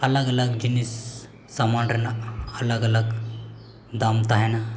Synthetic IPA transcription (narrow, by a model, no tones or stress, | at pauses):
ələɡələɡd͡ʑinis | samaɳɖənaələɡələɡ | d̪amt̪aɦɛna